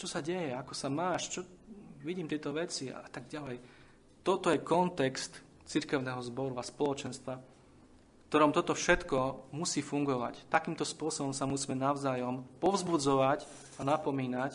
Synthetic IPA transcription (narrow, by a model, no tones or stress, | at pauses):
t͡ʃɔsaɟɛjɛakɔsamaːʃt͡ʃɔʋiɟiːmt̪ɪɛt̪ɔʋɛt͡sia̰at̪aɡ̚ɟalɛj | t̪ɔt̪ɔjɛkɔnt̪ɛkst̪ | t͡siɾkɛʊnɛːɦɔzbɔɾuaspɔlɔt͡ʃɛnst̪ʋa | fkt̪ɔɾɔmt̪ɔt̪ɔfʃɛt̪kɔmusiːfuŋɡɔʋa̰ct̪akiːmt̪ɔspʊɔsɔbɔmsamusiːmɛnaʊzaːjɔmpɔʊzbud͡zɔʋac | anapɔmiːnac